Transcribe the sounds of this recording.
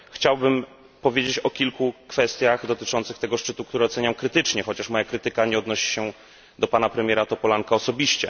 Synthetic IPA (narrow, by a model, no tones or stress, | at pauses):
xt͡ɕawbɘm | pɔvʲjed͡ʑet͡ɕɔkʲilkukfɛst̪ʲjaxd̪ɔt̪ɘt͡ʂɔnt̪sɘxt̪ɛɡɔʂt͡ʂɘt̪ukt̪uɾɛɔt̪sɛɲamkɾɘt̪ɘt͡ʂɲɛxɔt͡ɕaʂmɔjakɾɘt̪ɘkaɲɛɔd̪nɔɕi̥ɕɛ | d̪ɔpanapɾɛmʲjɛɾat̪ɔpɔlaŋkaɔsɔbʲiɕt͡ɕɛ